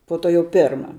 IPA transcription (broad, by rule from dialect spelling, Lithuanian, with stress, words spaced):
poː ˈtoː jɛʊ ˈpʲeːrmɐ